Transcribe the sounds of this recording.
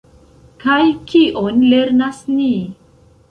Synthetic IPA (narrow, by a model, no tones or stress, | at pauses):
kajkʰiʔonleɾnasni